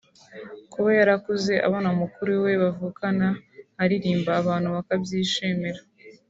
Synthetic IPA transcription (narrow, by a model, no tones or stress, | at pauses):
kuβajaɾakuze̞ʔa̰βaːnamukuɾuwe̞βavuːkanahaɾiɾiːmbaːβaːnhuβakabjiːʃeːmeɾa